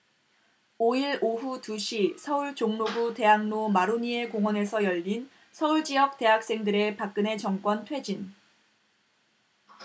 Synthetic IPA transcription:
oiɭoɸutuɕʰisʰʌuɭt͡ɕoŋnobute̞ɦaŋnomaɾoɲie̞koŋwʌne̞sʰʌjʌʎːin | sʰʌuɭd͡ʑijʌk̚t͈e̞ɦak̚s͈e̞ŋdɯɾe̞pak̚k͈ɯne̞t͡ɕʌŋk͈wʌntʰwe̞d͡ʑin

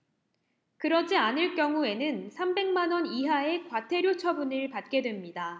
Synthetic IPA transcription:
kɯɾʌd͡ʑianɯɭk͈jʌŋue̞nɯnsʰambe̞ŋmanwʌniɦae̞kwatʰe̞ɾjot͡ɕʰʌbunɯɭpat̚k͈e̞dwemɲida

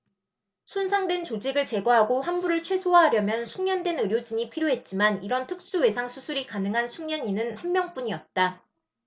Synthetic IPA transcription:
sʰonsʰaŋdwe̞nt͡ɕod͡ʑiɡɯɭt͡ɕe̞ɡwaɦaɡoɸanbuɾɯɭt͡ɕʰwe̞sʰowaɦaɾjʌmjʌnsʰuŋɲʌndwe̞nɯɾjod͡ʑiɲipʰiɾjoɦe̞t̚t͡ɕ͈imaniɾʌntʰɯk̚s͈uwe̞sʰaŋsʰusʰuɾikanɯŋɦansʰuŋɲʌɲinɯnhanmjʌŋp͈uɲiʌt̚t͈a

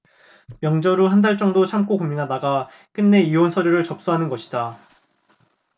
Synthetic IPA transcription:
mjʌŋd͡ʑʌɾuɦandaɭt͡ɕ͈ʌŋdot͡ɕʰamk͈okominɦadaɡa | k͈ɯnːe̞ionsʰʌɾjoɾɯɭt͡ɕʌp̚s͈uɦanɯnɡʌɕʰi̥da

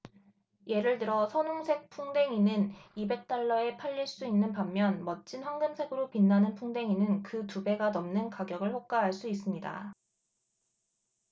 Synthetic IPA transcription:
je̞ɾɯɭtɯɾʌsʰʌnoŋsʰe̞k̚pʰuŋde̞ŋinɯnibe̞k̚t͈aɭːʌe̞pʰaʎːiɭs͈uinːɯnpamːjʌnmʌt̚t͡ɕ͈inɸwaŋɡɯmsʰe̞ɡɯɾopinːanɯnpʰuŋde̞ŋinɯnkɯtube̞ɡanʌmnɯnkaɡjʌɡɯɭɸok̚k͈aɦaɭs͈uis͈ɯmɲida̰

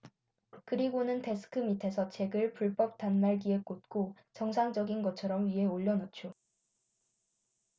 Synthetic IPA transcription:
kɯɾiɡonɯnte̞sʰɯ̥kʰɯmitʰe̞sʰʌt͡ɕʰeɡɯɭpuɭp͈ʌp̚t͈anːaɭɡie̞k͈ot̚k͈o | t͡ɕʌŋsʰaŋd͡ʑʌɡinɡʌt͡ɕʰʌɾʌmɥiɦe̞oʎːʌnʌt͡ɕʰo

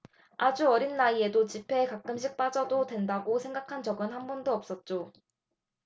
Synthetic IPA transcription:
ad͡ʑuʌɾinːaie̞dot͡ɕipʰe̞kak͈̚ɯmɕʰik̚p͈ad͡ʑʌdodwe̞ndaɡosʰe̞ŋɡakʰand͡ʑt͡ɕʌɡɯnhanbʌndoʌp̚s͈ʌt̚t͡ɕ͈o

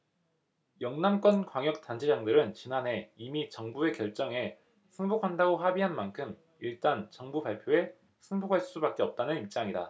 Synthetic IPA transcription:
jʌŋnamk͈wʌnkwaŋjʌk̚t͈ant͡ɕʰed͡ʑaŋdɯɾɯnt͡ɕinane̞imit͡ɕʌŋbue̞kjʌɭt͡ɕ͈ʌŋe̞ | sʰɯŋbokʰandaɡoɦabiɦanmankʰɯm | iɭt͈ant͡ɕʌŋbubaɭpʰjoe̞ | sʰɯŋbokʰaɭs͈ubak͈e̞ʌp̚t͈anɯnip̚t͡ɕ͈aŋida̰

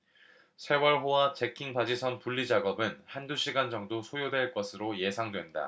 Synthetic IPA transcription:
sʰe̞wʌɭɸowat͡ɕe̞kʰiŋbad͡ʑisʰʌnpuɭːid͡ʑaɡʌbɯnhanduɕʰiɡand͡ʑʌŋdosʰojodwe̞ɭk͈ʌsʰɯɾoje̞sʰaŋdwe̞nda̰

